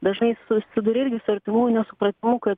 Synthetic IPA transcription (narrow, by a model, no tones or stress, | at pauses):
d̪ɐʒnɐɪsʊsʲɪd̪ʊɾʲɪɾʲɡʲɪsʊɐɾʲt̪ʲɪmuːjunʲɛsʊpɾɐt̪ʲɪmʊkɐt̪